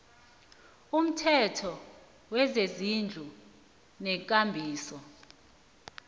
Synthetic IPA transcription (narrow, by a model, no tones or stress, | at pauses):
um̩tʰɛtʰɔ | wɛzezind͡ɮʱu | nɛkʼambʱiːsɔ